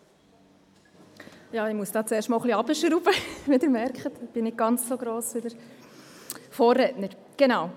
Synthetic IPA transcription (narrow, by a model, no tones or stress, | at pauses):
jɑːɪmuəsd̥ɑːt͡seːʃtmɑːlχliɑbəʃəɾubəʋidɪɾmɛɾkχətɪb̥ɪnɪt̚ɡ̥ɑnt͡ssoɡɾoːsʋidəɾ | foːrɾɛtnəɾ | ɡ̥enaw